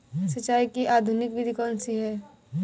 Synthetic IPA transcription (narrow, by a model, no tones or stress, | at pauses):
sɐt͡ʃːaːikiʔaːd̪ʱunɪkʋɪd̪ʱikɔːnsiɦɛː